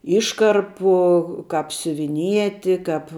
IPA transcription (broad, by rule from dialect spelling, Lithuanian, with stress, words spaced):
ˈɪʃkɐrpʊ ˈkɐp sʲʊʋʲɪˈnʲiɛtʲɪ ˈkɐp